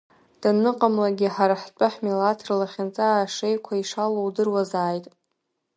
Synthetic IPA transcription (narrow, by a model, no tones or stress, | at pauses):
d̥anɨqʼamlaɡʲiħaɾaħt͡pʷʼaħmilatʰrlaχʲant͡sʼaːʂejkʷʰaiʂalowdɨrwazaːjtʼ